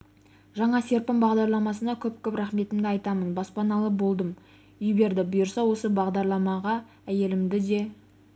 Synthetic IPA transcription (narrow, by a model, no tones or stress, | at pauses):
ʒɑɴɑse̞ɾpɪmbɑʁd̪ɑɾlˠɑmɑsənɑkʲʰɵp̚kʲʰɵpɾæχme̞t̪ɪmd̪ɪɑjt̪ɑmənbɑspɑnɑlˠəbo̞lˠd̪əm | ʏjbe̞ɾd̪ɪbʊjəɾsɑwo̞səbɑʁd̪ɑɾlˠɑmɑʁɑ | æje̞lɪmd̪ɪd̪e̞